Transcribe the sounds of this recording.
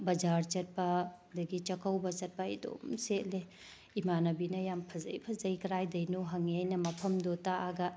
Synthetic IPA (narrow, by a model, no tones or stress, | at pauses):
bɐd͡ʒaɾt͡ʃɐt̚pɐ | dɐɡit͡ʃɐkʰɐwbɐt͡ʃɐt̚pɐɐ̰do̰mset̚le | imanɐbinɐjampʰɐzɐ̰jpʰɐzɐjkɐɾajdɐjnuɦɐŋiajnɐmɐpʰɐmdotaʔaɡɐ